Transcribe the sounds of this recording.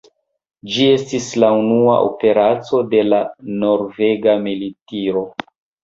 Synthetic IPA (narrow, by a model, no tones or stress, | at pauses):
d͡ʒie̞stislaunua̰ʔo̞̰pe̞ɾat͡so̞de̞lano̞ɾve̞ɡamilitiɾo̞